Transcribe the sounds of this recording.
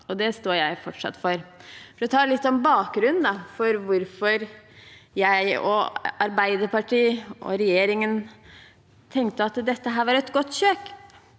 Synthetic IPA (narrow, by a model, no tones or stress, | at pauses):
ɔd̪ɛst̪oːjæɪfɔʈʂɑ̰t̪ːfɔɾfɔɾɔt̪ʰɑːlɪt̪ːɔnbɑːk̚ɡɾʉnnd̪ɑfɔɾʋʊɾfɔɾ | jæɪɔ̰ɑɾbæɪd̪əɾpɑʈʰiːʔɔ̰ɾɛjeːɾɪŋən | t̪ʰɛŋkt̪əɑt̪d̪ɛt̪ːəɦæːɾʋɑɾɛt̪ɡɔt̪ːçøːk